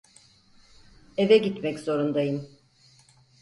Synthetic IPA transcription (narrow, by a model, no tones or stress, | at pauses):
e̞vɛɟit̪mɛczo̞ɾund̪ajɯm